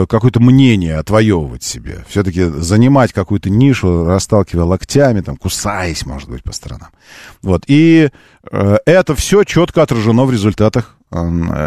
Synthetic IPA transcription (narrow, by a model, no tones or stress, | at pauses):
kɐkojʊt̪əmnʲenʲɪjəɐt̪vɐjo̞vəvə̰tʲsʲɪbʲḛfsʲɵt̪əkʲɪzənʲɪmatʲkɐkujʊt̪ənʲiʂʊrɐst̪alˠkʲɪvəjəlˠɐktʲamʲɪt̪amkʊsajəsʲmo̞ʐɨt̪̚bɨ̰tʲpə̥st̪əɾɐ̰na̰mvo̞t̪ʰi | əɛt̪əfsʲot͡ɕo̞t̪kəɐt̪ɾəʐɨnovɾʲɪzʊlʲt̪at̪əx